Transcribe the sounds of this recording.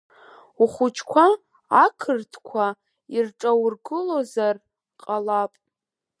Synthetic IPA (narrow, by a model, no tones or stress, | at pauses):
uχʷʊt͡ʃʰkʷʰaː | kʰɨrtʰkʷʰa | irʈ͡ʂʼawrɡɨlozar | qʼalapʼ